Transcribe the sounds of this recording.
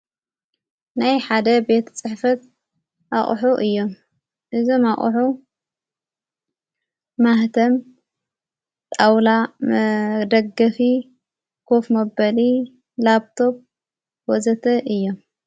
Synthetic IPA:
najħad̪ɐbe̞t̪ʰt͡sʼɨħfɐt̪ | ʔaχʼħuʔɨjːo̞m | ʔɨzomaχʼħu | aht̪ʰɐm | t̪ʼawla | d̪ɐɡɐfi | kʰo̞fmɐbɐli | labt̪ʰo̞b̚ | wɔzɐt̪ʰɐʔɨjːo̞m

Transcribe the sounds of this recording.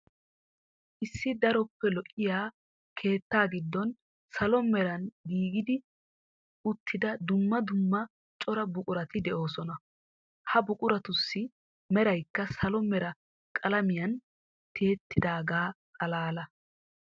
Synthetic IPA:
ʔɪsːɪd̪ɐɾɔpːɛlɔʔɪjaː | kʰe̞ːt̪ːaːɡɪd̪ːɔn | sɐlɔmɛɾɐnɡiːɡɪd̪ɪ | ʊt̪ʰːɪd̪ɐd̪ʊmːɐd̪ʊmːɐ | t͡ʃʼɔɾɐbʊkʼʊɾɐt̪ɪd̪ɛʔo̞ːsɔnɐ | hɐbʊkʼʊɾɐt̪ʊsːɪ | mɛɾɐjkːɐsɐlɔmɛɾɐ | kʼɐlɐmɪjɐn | t̪ʰe̞ːt̪ːɪd̪aːɡaːkʼɐlaːlɐ

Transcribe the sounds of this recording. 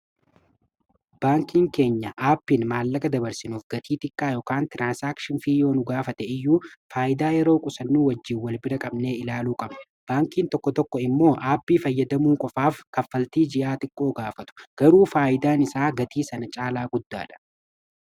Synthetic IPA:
b̥aːŋkiːŋke̞ːɲːɐʔaːpːinmaːlːɐkʼɐd̪ɐbɐɾsɪnuːfɡɐt̪iːt̪ʼɪkʼːaːjɔkaːnt̪ɪɾaːnsaːkʃɪnfiːjo̞ːnʊɡaːfɐt̪ɛɪjːuːfaːʔɪd̪aːjɛɾo̞ːkʼʊsɐnːuːwɐd͡ʒːiːwːɐlbɪɾɐkʼɐbne̞ːɪlaːluːkʼɐb | b̥aːŋkiːnt̪ɔkːɔt̪ɔkːɔɪmːo̞ːʔaːpːiːfɐjːɐd̪ɐmuːŋkʼɔfaːfkɐfːɐlt̪iːd͡ʒɪʔaːt̪ʼɪkʼːo̞ːɡaːfɐt̪ʊ̥ɡ̥ɐɾuːfaːʔɪd̪aːnɪsaːɡɐt̪ʰiːsɐnɐt͡ʃʼaːlaːɡʊd̪ːa̰ːᶑɐ̥

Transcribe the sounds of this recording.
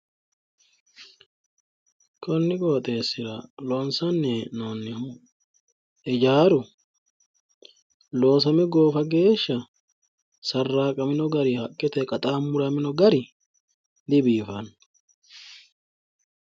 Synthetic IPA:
kʰʼɔnːɪkʼo̞ːt̪ʼe̞ːsːɪɾɐlɔnsɐnːɛnoːnːɪ | ʔɪd͡ʒaːɾʊ | lo̞ːsɐmɛɡoːfɐɡe̞ːʃːɐ | sɐrːaːkʼɐmɪnɔɡɐɾɪhɐkʼːɪt̪ɛkʼɐt̪ʼaːmːʊɾɐmɪnɔɡɐɾɪ | d̪ɪbiːfɐn

